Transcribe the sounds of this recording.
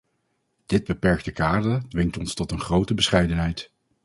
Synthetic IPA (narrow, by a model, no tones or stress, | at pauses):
d̥ɪd̚bəpɛɹk̚təkaːɹdədʋɪŋtɔnstɔtənχrowtəbəsχɛjdənɦɛjt